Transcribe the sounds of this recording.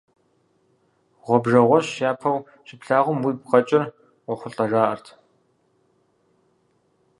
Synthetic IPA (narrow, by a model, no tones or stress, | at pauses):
ʁʷɔbʐɐʁʷɔɕjaːpʰɐw | ɕɪpɬaːʁʷʊmwiːbqɐt͡ʃʼɪr | ʁʷɔχʷʊɬʼɐʐaːʔɐrtʰ